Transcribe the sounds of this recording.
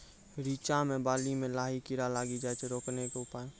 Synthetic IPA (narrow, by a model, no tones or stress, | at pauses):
ɾiːt͡ʃamẽbaːlimẽlaːɦikɪɾalaːɡid͡ʒaːt͡ʃʰɾoːknekeʊpaːe